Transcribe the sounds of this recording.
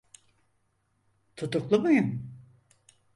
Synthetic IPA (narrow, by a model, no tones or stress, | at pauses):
t̪ʰut̪uklˠumajɯm